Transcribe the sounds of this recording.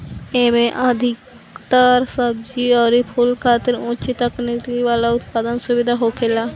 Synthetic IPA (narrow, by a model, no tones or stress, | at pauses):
eːmẽʔad̪ʱɪk | t̪aːɾsəbd͡ʒiɔːɾipʰulkʰaːt̪ɪɾʊ̃ːt͡ʃit̪əknɪtiʋaːlaʊt̪paːd̪ənsʊbɪd̪ʱaɦoːkʰeːlaː